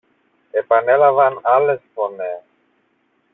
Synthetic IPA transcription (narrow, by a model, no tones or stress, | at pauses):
e̞pɐne̞lɐvɐnɐle̞sfo̞nes